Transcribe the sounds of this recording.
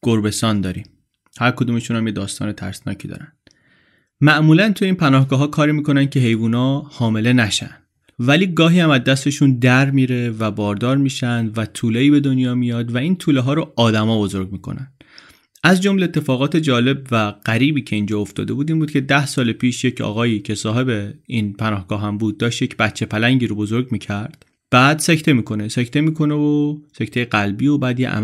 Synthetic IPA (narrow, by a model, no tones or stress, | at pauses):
ɡ̥oɾbe̞st̪ɒːnd̪ɒːɾim | hæɾkʰo̞d̪uːmeʃunhæmjed̪ɒːst̪ɒ̰ːne̞t̪ʰæ̰ɾsnɒ̰ːcʰid̪ɒ̰ːɾænd̪̥ | mæʔmuːlænt̪ʰujeiːnpʰænɒːhɡɒːɦɒːkʰɒːɾiːmiːko̞nænd̪̚cʰe̞ɦe̞jvuːnɒːhɒːme̞le̞næʃæ̰nd̪̥ | væliːɡɒːɦiːæmæzd̪æst̪e̞ʃund̪æɾmiːɾe̞væbɒːɾd̪ɒːɾmiːʃænd̪væt̪ʰuːleiːbe̞d̪o̞njɒːmijɒːd̪væiːnt̪ʰuːleɦɒːɾoɒːd̪æmɒːbo̞zo̞ɾɡmiːkʰo̞̰næn | ʔæzd͡ʒo̞mleet̪ʰːe̞fɒːɣɒːt̪ʰe̞d͡ʒɒːle̞bvæɢ̥æɾiːbiːcʰe̞ind͡ʒɒːoft̪ɒ̰ːd̪e̞buːd̪iːnbuːd̪̚cʰe̞d̪æhsɒːlepʰiːʃjecʰɒ̰ːɣɒːjiːcʰe̞sɒːɦe̞be̞iːnpʰænɒːhɡ̥ɒːɦæmbuːd̪̚ːɒːʃt̪jecʰbæt̪t͡ʃʰe̞pʰælæɲɟiːɾobo̞zoɾɡmiːcʰæɾd̪̥ | b̥æːd̪̥secʰt̪ʰe̞miːkʰo̞nesecʰt̪ʰe̞miːkʰo̞nevose̞cʰt̪ʰejeɡælbiːobæːd̪jḛʔæ̰m